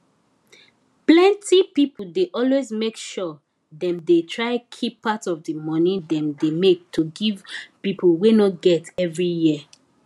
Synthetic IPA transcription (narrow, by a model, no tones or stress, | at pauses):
plɛ̃ntipipudeʔɔlwezmekʃɔ | dɛ̃mdetʰɹaɪkʰipːatɔvdimɔnĩdɛ̃mdemek̚tʰuɡivpipwenɔt̚ɡɛtɛvɹijiə